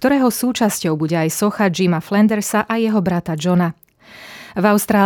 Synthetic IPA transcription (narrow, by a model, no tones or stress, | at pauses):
t̪ɔɾɛːɦɔsuːt͡ʃascɔʊbuɟɛajsɔxad͡ʒimaflɛnd̪ɛɾsaʔajɛɦɔbɾat̪ad͡ʒɔna | vaʊst̪ɾaː